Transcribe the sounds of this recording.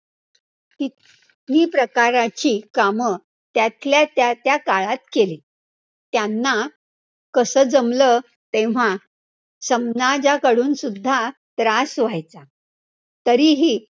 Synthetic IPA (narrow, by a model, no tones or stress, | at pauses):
t̪i | niːpɾəkaɾat͡ɕiːkamə | t̪jat̪ʰljat̪jat̪jakaɭat̪̚keliː | t̪janːa | kəsəd͡zəmlə | t̪eʋ̤a | səmnad͡ʑakəɽuːnsud̪ʱːa | t̪ɾasʋajt͡sa | t̪əɾiːɦiː